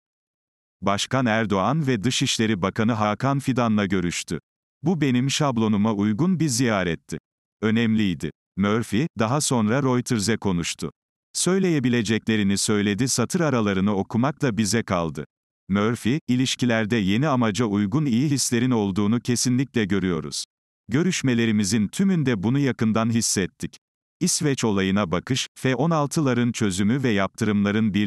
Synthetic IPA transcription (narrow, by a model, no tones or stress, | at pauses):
baʃkanæɾd̪o̞anvɛd̪ɯʃiʃlʲe̞ɾibakʰanɯɦakʰanfid̪anlˠaɟø̞ɾyʃt̪ʰy | bube̞nimʃablˠo̞numaujɡunbiɾzijaːɾɛt̪ʰːɪ | ø̞nɛmlʲijd̪ɪ̰ | møɾfid̪aɦaso̞nɾaɾo̞jt̪ʰɯɾzɛkʰo̞nuʃt̪ʰʊ̰ | sø̞jlʲe̞je̞bilʲe̞d͡ʒɛclʲe̞ɾinisø̞jlʲe̞d̪isat̪ʰɯɾaɾalˠaɾɯnɯo̞kʰumaklˠabizɛkʰa̰lˠd̪ɯ | møɾfiːlʲiʃcilʲæɾd̪ɛje̞niamad͡ʒaujɡunijiɦislʲe̞ɾino̞lˠd̪uːnucʰe̞sinlʲicʲlʲɛɟø̞ɾyjo̞̰ɾṵz̥ | ɟø̞ɾyʃme̞lʲe̞ɾimizint̪ʰymynd̪ɛbunujakɯnd̪anɦisːɛt̪ʰːic | isvɛt͡ʃo̞lˠajɯnabakɯʃfɛʔo̞nalˠt̪ʰɯlˠaɾɯnt͡ʃʰø̞zymyvɛjap̚t̪ʰɯɾɯmlˠaɾɯnbi